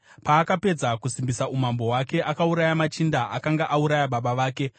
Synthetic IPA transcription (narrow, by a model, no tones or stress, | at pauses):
paːkape̞d͡zakusimbisaʔumambo̞ɦwake̞ʔakauɾajamat͡ʃindaʔakaŋɡaʔauɾajaɓaɓaʋaːke̞